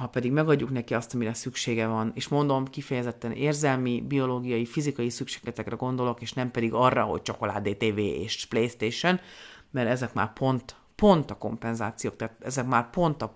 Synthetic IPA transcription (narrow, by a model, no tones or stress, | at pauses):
hɒpɛd̪iɡmɛɡɒɟːuknɛkiɒst̪ɒmiɾɛsykʃeːɡɛvɒneːʃmo̞nd̪o̞mkifɛjɛzɛt̪ːɛneːrzɛlmibio̞loːɡijɒjifizikɒjisykʃe̥ːɡlɛt̪ɛkrɛɡo̞nd̪o̞lo̞keːʃnɛmpɛd̪iɡɒrːɒɦo̞̰c̚t͡ʃo̞ko̞la̰ːd̪eːt̪eːveːḛːʃplejst̪eːʃon | mɛɾɛzɛkma̰ːrpʰo̞nt̪ | po̞nt̪ɒko̞̰mpɛnzaːt̪sijoːkt̪ɛaːt̪ɛzɛkmaːrpo̞nt̪ɒ